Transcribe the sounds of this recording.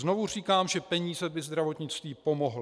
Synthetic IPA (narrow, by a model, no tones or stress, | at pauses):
zno̞vur̝iːkaːmʒɛpɛɲiːzɛbɪzd̪ɾavo̞t̪ɲɪt͡st̪viːpo̞moɦl